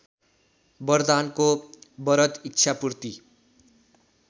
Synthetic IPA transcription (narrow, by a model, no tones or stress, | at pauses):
bʌrd̪ankobʌɾʌt̪itːt͡ʃʰapurt̪i